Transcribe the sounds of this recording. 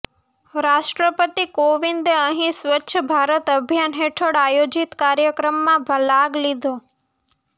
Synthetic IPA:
ɾaːʃʈɾəpət̪ikoʋɪnd̪ə̃ɦĩsʋətːʃʰəbʱaːɾət̪əbʱjanɦeʈʰəɽaːjoːd͡ʑɪt̪kaːɾjəkɾəmːãbʱəlaːɡlid̪ʱoː

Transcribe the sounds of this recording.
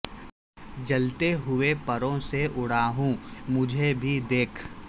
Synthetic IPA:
d͡ʒɐlt̪eɦʊepɐɾõseʔʊɽaːɦũmʊd͡ʒʱebʱid̪eːkʰ

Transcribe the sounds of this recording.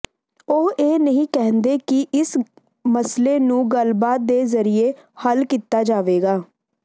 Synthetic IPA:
oɦeːnəɦĩːkɛɦənd̪eːkɪʔɪs | məsleːnũːɡəlbaːt̪̚d̪eːzəɾɪeːhəlkiːt̪ːaːd͡ʒaːʋeːɡaː

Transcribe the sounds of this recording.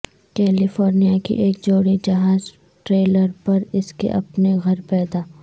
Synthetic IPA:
kɛːlɪfoːɾnijakḭʔeːk̚d͡ʒoːɽid͡ʒɐɦaːz | ʈɾeːləɾpɐɾɪskḛʔɐpneɣɐɾpɛːd̪aː

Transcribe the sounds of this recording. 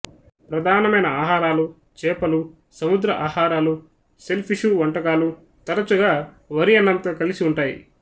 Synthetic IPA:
pɾɐd̪ʱaːnɐmɐjnɐaːɦaːɾaːlu | t͡ʃɛːpɐlu | sɐmud̪ɾɐʔaːhaːɾaːlu | se̞lpʰiʃuːʋɐɳʈɐɡaːlu | t̪ɐɾɐt͡ʃuɡaː | ʋɐɾijɐnːɐnt̪ɐkɐlisiuɳʈaːjḭ

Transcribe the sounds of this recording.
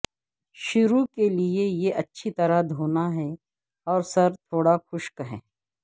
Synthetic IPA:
ʃʊɾukeliejeʔɐtːʃʰit̪ɐɾad̪ʱoːnaɦɛ | ɔːɾsɐɾt̪ʰoːɽaxʊʃkɐɦḛ̃ː

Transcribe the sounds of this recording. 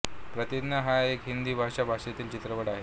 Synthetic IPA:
pɾət̪id̪nəɦaekɦind̪iːbʱaɕabʱaʂet̪iːlt͡ɕit̪ɾəʋəɽaɦe

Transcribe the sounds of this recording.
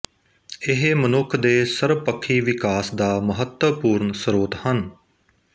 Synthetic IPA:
ɪɦmənʊkʰd̪eːsəɾʋpəkʰːiːʋɪkaːsd̪aːməɦət̪wəpuːɾnsəɾoːt̪hən

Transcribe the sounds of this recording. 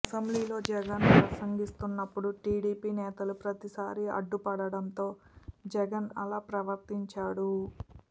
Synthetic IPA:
ɐsɐmbliːlo̞ːd͡ʒɛɡɐnpɾɐsɐŋɡist̪unːɐpːuɽuʈiːɽiːpiːnɛːt̪ɐlupɾɐt̪isaːɾiɐ̰ɖːupɐɽɐɽɐnt̪o̞ː | d͡ʒɛɡɐnɐlaːpɾɐʋɐɾt̪iɲt͡ʃaːɽu

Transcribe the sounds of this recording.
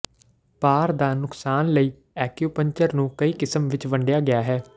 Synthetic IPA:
paːɾd̪aːnʊksaːnləiː | ɛːkjuːpəɲt͡ʃəɾnũːkəiːkɪsəmʋɪt͡ʃʋəɳɖejaːɡɪaːɦɛː

